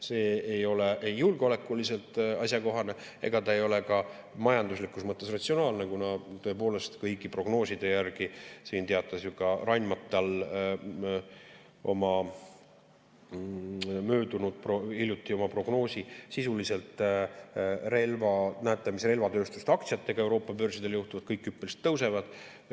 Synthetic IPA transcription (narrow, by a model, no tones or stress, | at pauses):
se̞ːejo̞le̞ejːulɡ̥eole̞kːˑulise̞lt̪ˑɑsʲjɑko̞ɦɑne̞ | e̞̰ɡ̥ɑt̪ɑejo̞le̞kɑ | mɑjɑnd̪uslikːˑusmɤt̪ːˑe̞srɑt̪sio̞nɑːlnekunɑt̪ø̞epo̞ːle̞st̪kɤjkipro̞ɡ̥no̞ːsid̪̥e̞jærɡ̥isiːnt̪eɑt̪ːˑɑsjukɑrɑnʲmɑt̪ːˑɑl | o̞mɑ | møːd̪unud̪̥̚proilʲjut̪ːˑio̞mɑpro̞ɡ̥no̞ːsisisulise̞lt̪ˑ | re̞lvɑnæːt̪ːˑɑmisre̞lvɑt̪ø̞ːst̪ust̪ɑk̚t̪siɑt̪ːe̞ɡ̥ɑe̞wɾo̞ːpːˑɑpø̞rsid̪̥e̞ljuht̪uvɑd̪̥kɤjkːˑypˑːelist̪ːɤwse̞vɑd̪̥